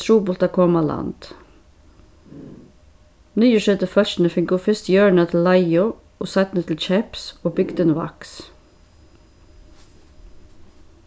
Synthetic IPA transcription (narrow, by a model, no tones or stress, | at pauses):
ɾuːbʊlt̪ɑkʰɔmɑlɑ̰nd̪̥ | nyːəʃɛd̪əfœʃn̩əfɪɡoːfɪst̪jøːɳɑt̪ʰɪl̩ɑɪʊ | ʔoːsɑt̪nət̪ʰl̩t͡ʃɛpsoːbʏɡd̪ənʋɑ̰ks